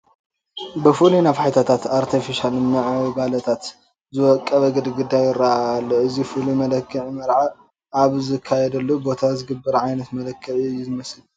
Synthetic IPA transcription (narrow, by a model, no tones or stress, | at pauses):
bɨfulunaβħajt̪ʰat̪ʰat̪aɾt̪ʰifiʃalnɨʕwbalɐt̪ʰat̪ | zɨwɔkʼːɐβɐɡɨd̪ɡɨd̪ːajɪɾːaaalːoɨzifulumɐlɐkʰːɨʕimɐɾʕa | ʔaβzɨkʰːajɛd̪ɐlːobo̞t̪ʰazɨɡɨbːɐɾʕajnɐt̪mɐlɐkʰːɨʕiɨjːuzɨmɐsl